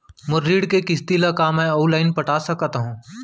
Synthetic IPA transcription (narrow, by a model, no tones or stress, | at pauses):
mʊɾːiːɽkekɪst̪ilakamɛ̃oːlaːɪnpɐʈaːsɐkt̪aɦũː